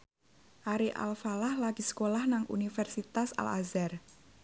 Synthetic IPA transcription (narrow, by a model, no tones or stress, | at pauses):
ʔaɾiʔa̰lfalahlaɡ̥isə̥kolahnaŋʔṵnifɛrsit̪asa̰la̰zar